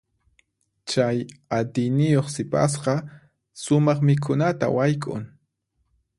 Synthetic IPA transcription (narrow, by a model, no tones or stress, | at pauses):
t͡ʃajat̪ɪjnɪjoχsɪpa̰sqɑ | sʊmɑχmɪk̬ʰʊnat̪a̰wajkʼʊ̰ŋ